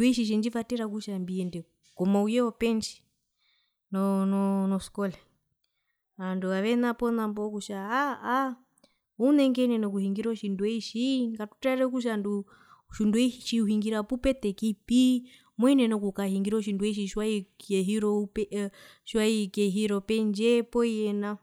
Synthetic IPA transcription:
nduɛʃ̬iʃ̬ind͡ʒivatɛɾakuʃambiɛndɛ | kɔmaujɛɔpɛnt͡ʃi̥ | nɔnɔnɔskɔlɛ | anduaʋɛnapɔnambɔkuʃaaː | unɛŋɡɛnɛnɔkuhiŋɡiɾɔʃinduɛiʃikatu̥taɾɛkuʃ̬andu | ʃunduɛiʃiuhiŋɡiɾapupɛt̪ɛkipi | mwɛnɛnɔkukahiŋɡiɾɔʃ̬induɛiʃ̬iʃwaikɛɦiɾɔpɛ | ʃwaikɛɦiɾɔpɛnd͡ʒɛpɔijɛna

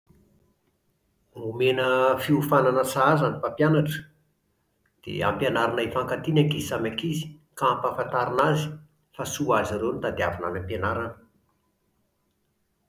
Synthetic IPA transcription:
umenəfiufananət͡saazanipapjanaʈ͡ʂə̥ | d̪̥ḛa̰mpjanaɾanaifaŋkat̪inakizsamakizi̥ | kaampafant̪aɾinazi̥ | fasuaziɾewnit̪ad̪iavana̰nampjanaɾanə̥

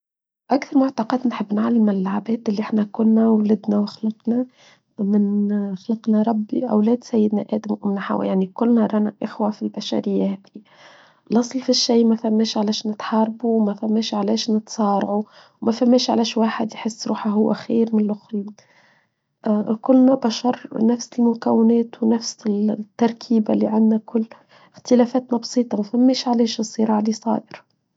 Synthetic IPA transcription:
ʔakθɑɾˤmʊʕt̪ɑqɑt̪nħɪbːnʕalːɪmɪlːaʕabɛːt̪ɪlːiʔɪħnækʊnːæwlɪd̪næwɪxlɑqnæ | mɪnxlɑqnæɾˤɑbːḭʔæ̰wlɛːd̪sæjːɪd̪næʔæ̰ːd̪amʔʊmnaħa̰w̰jaʕnikʊlːnæɾˤɑːnæʔɪxwæfilbæʃæ̰ɾɪjːahɛːdi | lʔɑsˤlfiʃːijːmæfæmːɛːʃʕalɛːʃnɪt̪ħɑːɾˤbuwmæfæmːɛːʃʕalɛːʃnɪt̪sˤɑːɾˤʕu | wmæfæmːɛːʃʕa̰lɛːʃwaːħɪd̪jħɪsːɾṵːħaɦʊwːæ̰xiːɾmɪnlʔʊxun | kʊlːnæbæʃɑɾˤnæfsɪlmʊkæwːɪnɛːt̪wnæfsɪt̪ːɑɾˤkʰiːbalːiʕand̪nækʊlː | ɪxt̪ɪlæːfæːt̪næbsˤiːt̪ˤɑmæfæmːɛːʃʕalɛːʃɨsˤːɨɾˤɑːʕlisˤɑ̰ːʔ̪ɪɾɑ

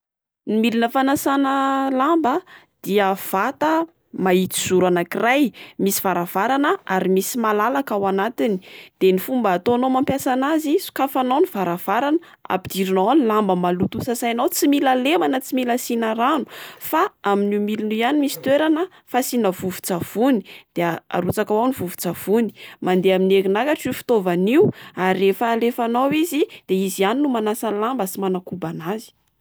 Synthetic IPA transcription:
nimilinəfanasanəlambəd̪̥iəv̥at̪ə | mait͡s̪i̥z̥uɾanakirajmisi̥v̥aɾav̥aɾanəaɾimisimalalakawanat̪ini̥d̪̥enifumbaːt̪oanomampjasanazisu̥kafanawniv̥aɾav̥aɾanə | a̰pid̪̥iɾinoanlambəmalut̪usəsajnawt͡similalemanət͡similasinaɾanu̥faaminimilunujanimisi̥t̪weɾanə | fasinəvuvu̥t͡sav̥unid̪̥eaa̰ɾut͡sakawawnivuvu̥t͡sav̥uni̥mand̪eaminekinakaʈ͡ʂifi̥t̪ovaniuaɾirefaːlefanawizid̪̥eizianinumanasanlambəsimanakubanazi̥

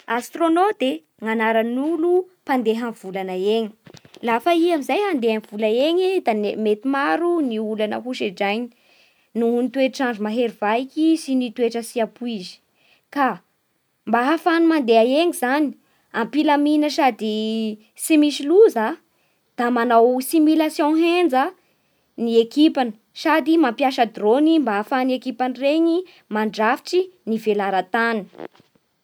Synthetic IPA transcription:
ast̪ronot̪e | ŋanaɾanulu | pand̪eɦanv̥ulanaeɲi̥lafaiamizajɦand̪eanv̥uləeɲid̪anemet̪imaɾuniulanə̰ɦuʃeɖ͡ʐajɲi̥ | nunit̪weʈ͡ʂaɳɖ͡ʐumaɦeɾiv̥aikʲisinit̪weʈ͡ʂəsiapuizi̥ | ka | mbaɦafanimand̪eaeŋizani | ampilaminəsad̪i | simisiluza | d̪̥amanawsimilasjõɦend͡zə | niekipanə | sad̪imampjaʃəd̪ronimbaafanekipanireɲi | maɳɖ͡ʐafi̥ʈ͡ʂinivelaɾat̪an

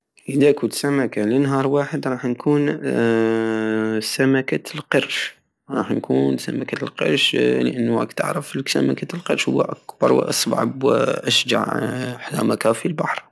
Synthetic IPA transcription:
ʔəd̪akusamakalənɦɑːɾˤwaːħəd̪ɾˤɑːħnkʰuːn | samakalqɑɾʃ | ɾˤɑːħnkuːnsamakalqɑ̰ɾˤʃləʔanːwa̰kt̪ə̰ʕɾəflksamakalqɑɾˤʃhʊ̰wːa̰ʔakb̥ɑ̰ɾˤw̰ʔɑ̰sˤb̰ʕa̰bw̰ʔaʃd͡ʒa̰ʕħla̰makafilbaħɾˤ

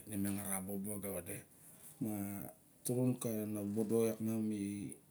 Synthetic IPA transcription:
nimeŋaɾaboboabewade | ma | tuɾunkanabodojakŋami

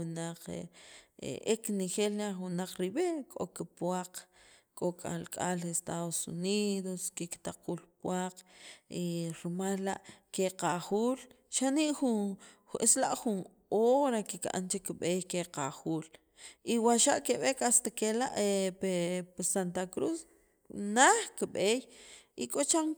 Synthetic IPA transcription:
naq͡χḛḛʔeknexelnaχwunaq͡χɾiɓekʼo̰kepwaq͡χkʼokʼa̰lkʼa̰lest̪aðosṵniðoskekt̪aqʰuːlpwaqiɾmalːaʔkeqaχuːl | ʃaniʔxu | eslaʔxun | oɾakikʔa̰nt͡ʃekɓejkeqaxuːl | ʔiwaʃaʔkeɓekast̪akelaʔepepesant̪akɾus | naχkiɓeːjikʼot͡ʃaŋ

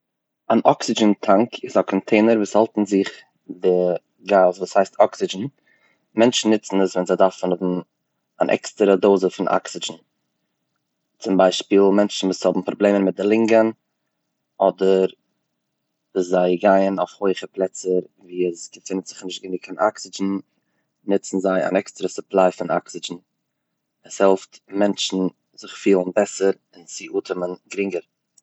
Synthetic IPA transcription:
anʔɔksɪd͡ʒəntʰaŋkʰɪzakʰɔntʰeɪnəɾvuːshalˠtn̩zɪχ | dɪ | ɡazvuːshaɪstʰɔksɪd͡ʒn̩ | mɛnt͡ʃn̩ːɪt͡sn̩əsvɛnzaɪdafn̩ʊbm̩ | a̰nʔɛ̰kstəɾədoːzəfɪnʔa̰ksɪd͡ʒn̩ | t͡sʊmbaɪʃpiːlˠmɛnt͡ʃn̩vuːshɔbm̩pɾɔblˠeːmənmɪt̚dɪlˠɪŋɡən | ɔdəɾ | vuːszaɪɡaɪənaʊfhoɪχəplˠɛt͡səɾ | viːəsɡəfɪnətz̥ɪχnɪʃt̚ɡɪnɪkfɪnʔa̰ksɪd͡ʒn̩ | nɪt͡sn̩zaɪa̰nɛkstəɾəsʊplˠaɪfɪna̰ksɪd͡ʒn̩ | əshɛlˠftmɛnt͡ʃn̩ | zɪχfiːlˠənbɛsəɾ | ɪnsɪʔuːtʰəmənɡɾɪŋɡəɾ

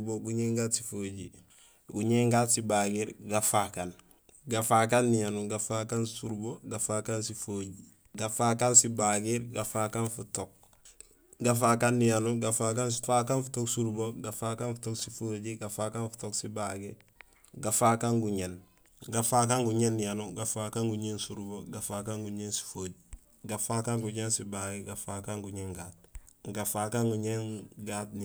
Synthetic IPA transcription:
boɡuɲeŋɡaːtsi̥foːɟḭ | ɡuɲeŋɡaːtsibaɡiɾɡafakan | ɡafak̬anːijanuɡafakansuɾboɡafaːkansifoːɟi | ɡafakansibaɡiɾɡafaːkanfutok̚ | ɡafakanːijanuɡafak̬ansfakanfu̥toksuɾboɡafakanfu̥toksifoɟiɡafaːkanfu̥toksibaɡiɾ | ɡafakaŋɡuɲen | ɡafak̬aŋɡuɲenːijanuɡafakaŋɡuɲeːnsuɾboɡafakaŋɡuɲeːnsi̥foɟi | ɡafakaŋɡuɲensibaɡiɾɡafakaŋɡuɲeːŋɡa̰ːt̚ɡafaːkaŋɡuɲeŋɡaːtn

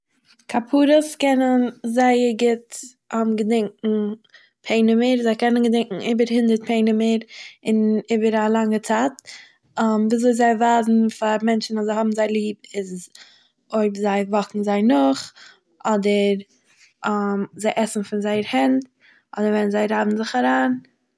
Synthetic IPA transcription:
kʰapʰuːɾəskɛnənzaɪəɡɪt | ɔmɡədɪŋkŋ̩ | pʰeɪnɪməɾzaɪkɛnənɡədɪŋkŋ̩iːbəɾhɪndəɾt̚pʰeɪnɪməɾɪniːbəɾalˠaŋət͡saːt | ɔmviːzoɪszaɪvaːzn̩faɾmɛnt͡ʃn̩azaɪhɔbn̩zaɪlˠiːbɪz | oɪbzaɪvɔkŋ̩zaɪnʊχ | ʔɔdəɾ | amzaɪʔɛsn̩fɪnzaɪəɾhɛnt | ʔɔdəɾvɛnzaɪɾaːbn̩zɪχaɾaːn

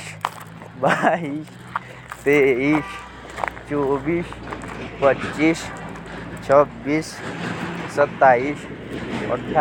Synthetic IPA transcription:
bais | t̪eis | t͡ʃobispət͡ʃt͡ʃːis | t͡ʃʰəbːis | sət̪ːais | ɔ̰ʈʰːa

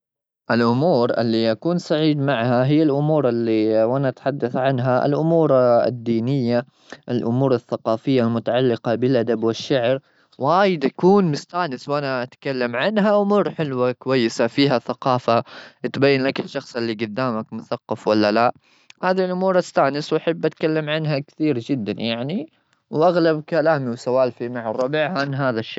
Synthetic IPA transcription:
ʔɪlʔʊmuːɾʔɪ̰lːiʔakuːnsaʕiːd̪maʕhaɦɪjːalʔʊmuːɾɪlːiwʔanaʔat̪ħad̪ːaθʕanɦaʔɪ̰lʔʊmuːɾɪ̰d̪ːiːnɪjːa | ʔɪlʔʊmuːɾaθːaqɑːfɪjːalmʊt̪aʕalːɪqɑbɪlʔad̪abwɪʃːaʕɾ | waːjɪd̪ʔakuːnmʊst̪aːnɪswʔanaʔat̪kalːamʕanɦaʔʊmuːɾħɪlwakʊwajːɪsafiːɦaθaqɑːfaʔɪt̪bajːanlakɪʃːɑxsˤɪlːiɡʊd̪ːaːmakmʊθaqːɑfwalːalaʔ | haːðilʔʊmuːɾˤʔast̪aːnɪswʔaħabːʔat̪kalːamʕanɦakθiːɾd͡ʒɪd̪ːanjaʕni | wʔaɣlabkalaːmiwsawaːlfimaʕɑrˤːɑbiʕʕanɦaːðaʃːaː

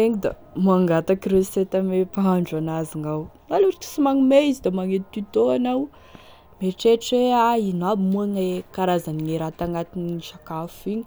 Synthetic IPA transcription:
eŋid̪a̰ | maŋɡat̪akiɾeset̪amepaaɳɖ͡ʐanaziŋawnaluɾk̪i̥simaŋimeizid̪amaŋet̪it̪it̪oanaw | meʈ͡ʂeʈ͡ʂeainabimuaŋekaɾazaniŋeɾat̪aŋat̪iniʃakafiɲi̥

